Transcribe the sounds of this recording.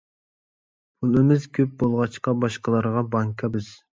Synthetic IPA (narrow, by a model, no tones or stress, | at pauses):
pʰulˠɨmɪzkʲʰøp̚bolˠʁɑt͡ʃqɑbɑʃqəlˠɑɾʁɑbɑŋkʰɑbɪz̥